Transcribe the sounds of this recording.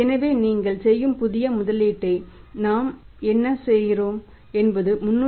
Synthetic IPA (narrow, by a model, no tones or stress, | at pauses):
ɛnɐʋeːniːŋɡɐɭsɛjːɯmpʊðɪjɐmʊðɐliːʈːɐɪnaːm | ɛnːɐsɛjːɪroːm | ɛnbɐðɯmʊnː